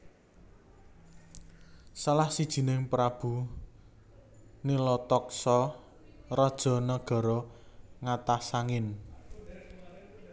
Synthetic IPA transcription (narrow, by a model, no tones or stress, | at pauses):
salahsid̥ʒ̥i̤nɪŋpɾab̥ṳ | nilɔt̪ɔksɔ | rɔd̥ʒ̥ɔ̤nəɡ̥ɔ̤ɾɔŋat̪asaŋɪn